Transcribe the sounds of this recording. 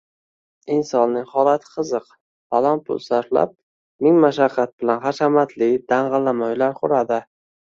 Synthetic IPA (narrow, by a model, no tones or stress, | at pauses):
ɪnsɒnːɪŋχɒlˠat̪ʰɪ̥qʰɨzɨq | balɒnpʰʊ̰lˠsaɾfla̰p̚ | mɪŋmaʃaqʰːat̪̚bɪlanχɑʃamat̪ʰlɪɡʲd̪̥aɴʁɨlːamajlaɾqʰʊɾad̪ɪ